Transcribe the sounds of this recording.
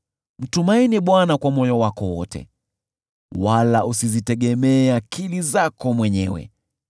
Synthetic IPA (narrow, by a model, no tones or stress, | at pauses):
m̩tumainiɓwanakwamɔjɔwakɔwɔ̰tʰɛ̰ | walaʔusizitɛɠɛmɛːakilizakɔmwɛɲɛwɛ̰